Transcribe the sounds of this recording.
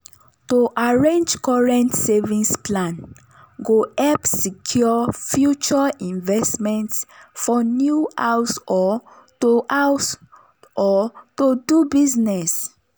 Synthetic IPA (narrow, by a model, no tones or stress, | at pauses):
toʔaɹẽnd͡ʒkɔɹɛ̃ntsevĩsplãn | ɡoɛpsikʰjɔfjut͡ʃɔĩnvɛstmɛ̃ntsfɔnjuawsɔ | toaws | ɔtodubiznɛs